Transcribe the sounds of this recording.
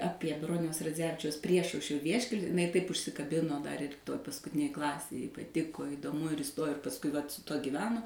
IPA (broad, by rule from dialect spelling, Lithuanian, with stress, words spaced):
ˈɑːpʲiɛ ˈbroːnʲɛʊs rɐˈd͡zʲæːʋʲɪt͡ʃʲɛʊs ˈpʲrʲiɛʃɐʊʃʲrʲoː ˈʋʲiɛʃʲkʲɛlʲ ɪˈnɐɪ tɐɪp ʊʃʲsʲɪkɐˈbʲɪnoː dɐr ɪr ˈtoːj pɐskʊˈtʲɪnʲeːj ˈklˠɑːsʲeːj jɛɪ pɐˈtʲɪkoː ɪdoːˈmʊ ɪr ɪˈstoːjoː ɪr pɐsˈkʊɪ ʋɐt sʊ ˈtuɔ ɡʲiːˈʋʲæːnoː